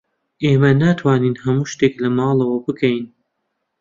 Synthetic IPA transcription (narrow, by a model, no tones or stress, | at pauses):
ʔeːmɐnaːt̪ʰwaːniːnɦɐmuːʃt̪eklɐmɑːlˠɐwɐbɨkʰɐjn